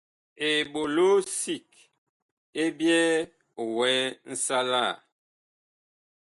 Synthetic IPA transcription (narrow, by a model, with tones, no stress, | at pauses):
e˨ɓo˨lo˦si˦˨k | e˦bjɛ˦˨ | wɛ˦n̩˦sa˦la˦˨